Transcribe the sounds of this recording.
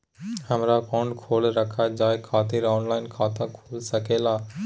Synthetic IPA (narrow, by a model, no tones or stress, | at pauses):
hɐmɾakõːɳɖkʰoːlɾɐkʰad͡ʑaːjkʰaːt̪eɾaːʊnlaːɪnkʰãːt̪ãkʰoːlsɐkeːlaː